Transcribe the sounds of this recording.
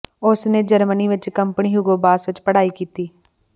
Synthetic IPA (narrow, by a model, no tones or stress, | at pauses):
ʊsnẽːd͡ʒəɾməniːʋɪt͡ʃkəmpniːɦuɡoːbaːsʋɪt͡ʃpəɽaːiːkiːt̪iː